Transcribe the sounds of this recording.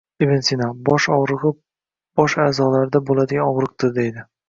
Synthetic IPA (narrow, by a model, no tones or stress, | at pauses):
ibensinabɒʃɒwɾɨʁɨ | b̥ɒʃaːzɒlaɾd̪abolad̪ɪɡʲanɒwɾɨq̚t̪ɪɾd̪e̞jd̪ɪ